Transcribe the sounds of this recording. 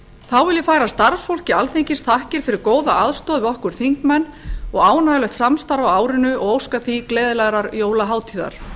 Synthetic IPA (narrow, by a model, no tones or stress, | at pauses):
θawvɪlɪfaːjɾast̪aɾsfowl̥cɪalθeɲcɪst̪ʰahcɪɾ̥fɪɾɪɾkoːwðaʔaðst̪ɔːðvɪɔhkʏɾ̥θiŋkmɛnːɔɣaːwnaɣlɛht̪samst̪aɾvaaːwɾɪnʏɔɣowskaθiklɛːðɪlaɣɾaɾjoːwlaɦaːwt̪ʰiːða̰ɾ̥